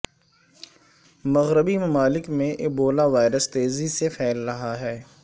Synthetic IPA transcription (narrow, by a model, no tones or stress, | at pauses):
mɐɣɾɪbimɐmaːlɪkmẽʔɪk̚boːlaʋaːɪɾəst̪eːzisefʰɛːlɾɐɦaɦɛː